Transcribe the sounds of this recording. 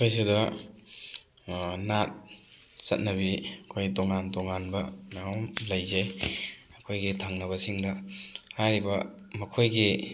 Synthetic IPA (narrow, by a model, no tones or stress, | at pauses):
kʰojs̬idɐ | nat̚ | sɐ̰t̚nɐbiɐkʰojdoŋandoŋanbɐnaomlɐjzaj | ɐkʰojɡitʰaŋnɐβɐsiŋdɐhajɾibɐ | mɐkʰojɡi